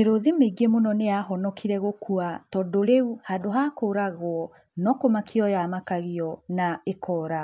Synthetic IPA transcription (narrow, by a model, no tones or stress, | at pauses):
eɾoðimeɡemonɔneaɦɔnɔkʰiɾɛɣokuatɔdoɾeuhadoɦakoɾaɣwɔ | nɔkomakʰeɔjamakaɣiɔnaekʰɔːɾa